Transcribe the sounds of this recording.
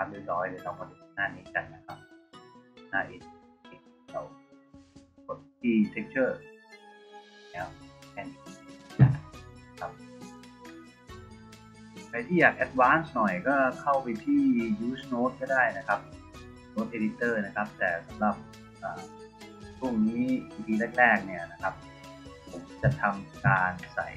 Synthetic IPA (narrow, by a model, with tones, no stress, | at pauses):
kʰa˦˥p̚le˥˩t̪̚ɾɔː˦˥jlɯː˧˩t̪ɔ˧˩pa˧su˨˩naː˥˩niː˦˥t͡ɕa˧˩nna˦˥kʰa˦p̚ | naː˧˩ʔe˧˩t̪̚i˧˩t̚ka˨˧˩w | kʰo˨˩t̪̚ːiː˧˩se˦˥k̚t͡ɕʰɤː˥˩ | ɛː˨˦˥wkʰɛ˧˩n˧˩t͡ɕʰa˧˩t̪na˦˥kʰa˦˥p̚ | kʰa˧˩t̪ʰiː˥˩jaː˨˩k̚ʔɛ˦˥t̪̚waː˦˥nsnɔ˨˩jkɔː˥˩kʰa˥˩wpa˧jt̪ʰiː˥˩juː˦˥snoː˦˥t̪̚kɔː˥˩daː˥˩jna˦˥kʰa˦˥p̚ | noː˦˥t̪̚ʔeː˧di˦˥t̪ːɤː˥˩na˦˥kʰa˦˥p̚t̪ɛ̰ː˨˩sa˩˦mla˨˩p̚ | ʔaː˨˩ | pʰu˥˩ŋniː˦˥iː˧p̪ʰiː˧leː˥˩k̚ɾɛː˥˩k̚ni˥˩ɐna˦˥kʰa˦˥p̚ | pʰo˩˦mt͡ɕa˨˩t̪ʰa˧mkaː˧nsa̰˨˩j